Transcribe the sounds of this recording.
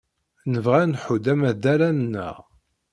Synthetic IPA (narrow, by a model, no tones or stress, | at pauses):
nəvʁænħud̪æmæðæɾænnːə̰ʁ